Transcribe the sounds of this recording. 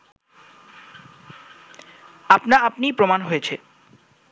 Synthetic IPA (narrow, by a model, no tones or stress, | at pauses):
apnaapnipɾomanɦojet͡ɕʰe